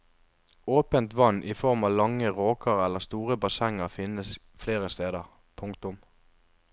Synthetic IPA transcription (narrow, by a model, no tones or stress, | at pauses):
oːpənt̪ʋɑnʔifɔʁmɑːlɑŋːəʁoːkʰəʁɛləʁst̪uːʁəbɑsɛŋəʁfɪnəs | fleːʁəst̪eːd̪əʁ | pʰʊŋkt̪ʊm